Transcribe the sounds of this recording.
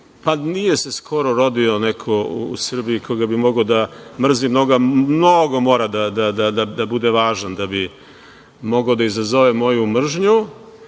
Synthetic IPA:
panije̞se̞skʰo̞ɾo̞ɾo̞d̪io̞nɛkʰo̞ṵːsr̩biikʰoɡabimo̞ɡod̪amr̩zimno̞ɡamno̞ɡo̞mo̞ːɾad̪ad̪ad̪ad̪ad̪abud̪eʋaːʒand̪abi | mo̞ɡaod̪aizazo̞ʋemo̞jumr̩ʒɲu

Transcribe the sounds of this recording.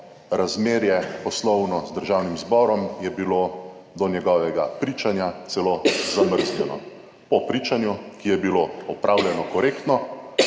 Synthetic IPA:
ɾazmeːɾjɛpɔslɔwnɔzd̪əɾʒawnimzbɔːɾɔmjɛbilod̪ɔnjɛɡɔːʋɛɡapɾiːt͡ʃanjat̪sɛlozaməɾzlʲjɛnɔ̰ | pɔpɾiːt͡ʃanjukijɛbiloɔpɾʔaːwljɛnɔkɔɾeːkt̪nɔ

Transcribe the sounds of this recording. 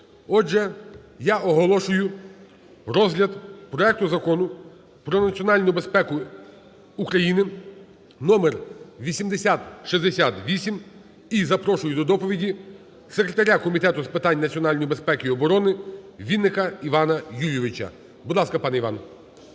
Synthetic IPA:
ɔd͡ʒʒɛjaɔɦɔlˠɔʃʊjʊ | ɾɔzɦlʲɐd̪pɾɔɛk̚t̪ʊzɐkɔnʊ | pɾɔnɐt͡sʲiɔnɑlʲnʊjʊbe̞spɛkʊ | ukɾɐjinɪ | nɔmerʋʲisʲimd̪esʲat̪ʃizd̪esʲat̪ʋʲisʲim | izɐpɾɔʃʊjʊd̪ɔd̪ɔpɔʋʲidʲi | sekɾet̪ɐɾʲakɔmʲit̪ɛt̪ʊspɪt̪ɑnʲːnɐt͡sʲiɔnɑlʲnɔjibe̞spɛkɪiɔbɔɾɔnɪʋʲid̪nːɪkɐiʋɑnɐjuʋʲɪʋɪt͡ʃɐ̰ | bʊd̪lˠɑskɐpɑnɛiʋɑ̰n

